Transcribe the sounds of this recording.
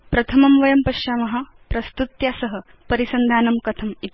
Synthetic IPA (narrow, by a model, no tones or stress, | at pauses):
pɾɐt̪ʰɐmɐmʋɐjɐmpɐʃaːmɐɦɐ̆ | pɾɐst̪ut̪jaːsɐɦɐ̆ | pɐɾisɐnd̪ʱaːnɐmkɐt̪ʰɐmit̪